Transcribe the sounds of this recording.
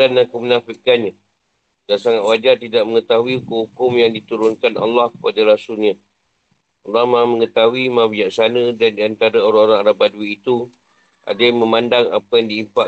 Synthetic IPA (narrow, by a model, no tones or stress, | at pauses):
anakumənafiʔkanɲa | dansaŋat̪wad͡ʒart̪idaʔ̚məŋət̪aɦuiukuhukʊmjaŋdit̪uɾʊnkana̰lːɑhkə̥padaɾasʊlɲa | ɑlːɑhmamə̃ŋət̪aɦuimãbiaʔsanədandiant̪aɾaoɾaŋoɾaŋaɾabaduwiːt̪u | ʔa̰damə̃mandaŋa̰pəjaŋdiimpa